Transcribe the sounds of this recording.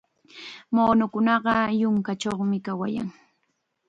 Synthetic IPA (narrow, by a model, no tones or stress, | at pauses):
moːnʊkʊnɑɢɑjʊŋkat͡ʃoχmɪkawa̰ja̰ŋ